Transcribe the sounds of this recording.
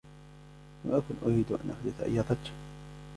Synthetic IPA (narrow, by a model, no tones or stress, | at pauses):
lamʔakʊnʔʊɾiːd̪ʔa̰nʔa̰ħd̪ɪθʔa̰jːat̪ˤɑ